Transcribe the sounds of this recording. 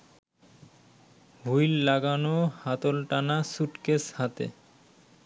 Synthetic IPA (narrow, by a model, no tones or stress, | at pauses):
ɦujlːaɡanohat̪olʈanasuʈkeshat̪ḛ